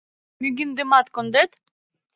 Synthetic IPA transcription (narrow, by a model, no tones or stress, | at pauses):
myɡʲind̪ɪmat̪kond̪ɛt̪